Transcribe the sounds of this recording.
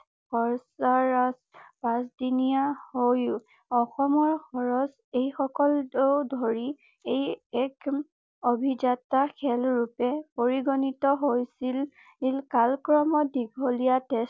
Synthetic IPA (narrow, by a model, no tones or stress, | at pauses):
xɔɹsaɹaspasdinijahoj | ɔxɔmɔɹxɔɹɔs | ejxɔkɔldewdʱɔɹi | ejɛk | obʱizatakʰɛlɹupɛpoɹiɡɔnitɔɦojsil | ilkalkɹɔmɔdiɡʱolijates